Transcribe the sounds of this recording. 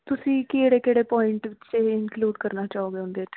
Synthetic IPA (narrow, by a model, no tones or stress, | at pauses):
t̪ʊsĩːkeːɽeːkeːɽeːpɔːɪɳʈʋɪt͡ʃeɪnkluːɖkəɾnaːt͡ʃaːɦoːɡeʊ̃nd̪eːt͡ʃ